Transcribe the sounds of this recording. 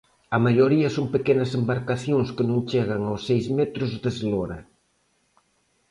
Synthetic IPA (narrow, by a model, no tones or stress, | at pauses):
ɐmaʎoɾiɐsoŋpekenɐsembaɾkaθjoŋskɪnõŋt͡ʃeɣ̞ɐŋawsejzmet̪ɾʊzd̪ezloɾɐ